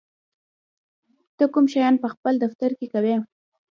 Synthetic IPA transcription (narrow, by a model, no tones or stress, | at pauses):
t̪əkumʃɑjɑnpəxpəld̪aft̪aɾkekawe